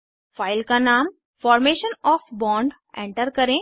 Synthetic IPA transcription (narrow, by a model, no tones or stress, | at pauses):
faːɪlkanaːm | fɔːɾmeːʃənɔːfbɔ̃ːɳɖ | ḛ̃ːɳʈəɾkɐɾẽ